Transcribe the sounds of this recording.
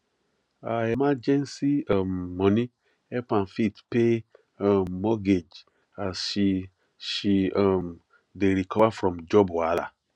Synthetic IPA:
aemad͡ʒɛ̃nsiamːɔ̃nĩ | ɛpãnfitpe | amːɔɡed͡ʒ | azʃi | ʃiam | deɾikʰɔvafɾɔ̃md͡ʒɔbɔala̰

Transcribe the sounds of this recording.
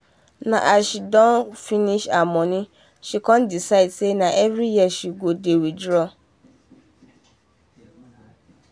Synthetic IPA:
nã̰ʔaʃidɔ̃nfĩnĩʃamɔ̃nĩ | ʃikɔ̃ndisadsenãʔɛvɾijɛʃiɡodewidɾɔ

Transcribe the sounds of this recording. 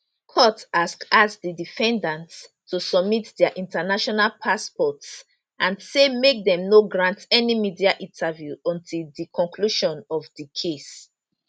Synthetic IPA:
kʰɔtaskasdidifɛ̃ndãnts | tʰusɔbmitdɛaʔĩntanaʃɔnalpʰaspɔts | ʔãnsemek̚dɛ̃mnoɡɹãntɛnimidiaʔĩntʰavjuɔ̃ntʰildikʰɔ̃ŋkʰluʃɔ̃nɔvdikʰes

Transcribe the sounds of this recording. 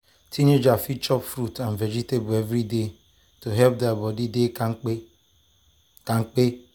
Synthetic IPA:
tʰined͡ʒafit͡ʃɔpfɾutãnved͡ʒitebuevɾide | toɦɛlp̚dɛbɔdidek | kaŋ̩k͡pe

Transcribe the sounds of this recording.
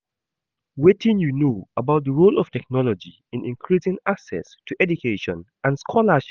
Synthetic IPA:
wetɪ̃njunoəbaʊt̚ðəɹolɔftɛk̚nɔlɔd͡ʒi | ɪ̃nĩnkʰɹisɪ̃ŋaksɛ̰stʰuʔɛdukʰeʃɔ̃n | ʔãnskʰɔlaʃ

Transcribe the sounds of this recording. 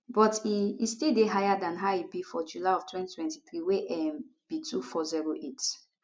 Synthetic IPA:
bɔtiistildeɦajadãnɦaibifɔd͡ʒulaɔvtʰwɛ̃ntitʰwɛ̃ntiθɹiweʔɛmb̥itʰufɔziɹoʔet

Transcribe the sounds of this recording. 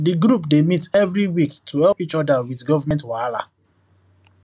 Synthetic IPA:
diɡɹupdemitɛvɹiwiktʰuhɛlpit͡ʃɔdawiθɡɔvamɛ̃ntwala̰

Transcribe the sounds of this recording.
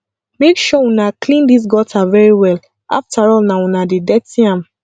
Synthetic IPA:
mekʃɔũnaklĩndis̬ɡɔtʰavɛɹiwɛl | a̰ftaɹɔlnaũnadedɛtĩãm

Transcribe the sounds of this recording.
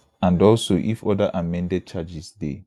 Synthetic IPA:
ãndɔlsoʔḭfɔdəʔamɛ̃ndɛd̚t͡ʃad͡ʒisdḛ

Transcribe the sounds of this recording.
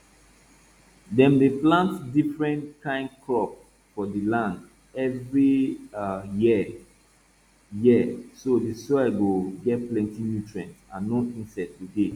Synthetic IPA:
dɛ̃mdeplãntdifɹɛ̃ntkʰãɪ̃nkʰɔp | fɔdəlãnd | ɛvɹi | ji | jisodisɔɛɡoɡɛt̚plɛ̃ntinjutʰɹɛ̃nsãnoĩnsɛtːude

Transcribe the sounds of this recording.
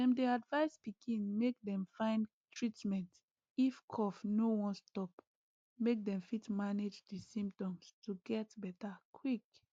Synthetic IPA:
ɛ̃mdeadvaɪspikʰĩnmek̚dɛ̃mfãɪ̃n | tʰɹitmɛ̃nt | ifkʰɔfnowɔ̃nstɔp | mek̚dɛ̃mfitmaned͡ʒdəsĩmptɔ̃mstuɡɛtbɛtakʰwik

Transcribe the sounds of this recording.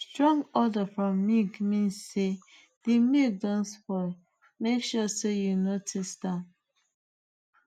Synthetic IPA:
stɹɔ̃ŋɡɔdəfɹɔ̃mːiɡmĩnsːe | dimidɔ̃nsfɔ | mekʃusejunotʰistãn

